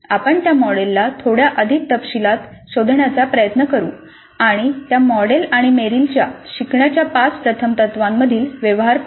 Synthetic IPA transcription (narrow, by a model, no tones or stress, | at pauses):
apəɳt̪jamɔɽelːat̪ʰoɽjaʔəd̪ʱik̚t̪əpɕilat̪ɕod̪ʱɳjat͡sapɾəjət̪nəkəɾṵː | aɽ̃it̪jamɔɽelaɽ̃imeɾilt͡ɕjaɕikɳjat͡ɕjapat͡spɾət̪ʰəmt̪ət̪ʋamːəd̪ʱiːlʋjəʋɦaɾ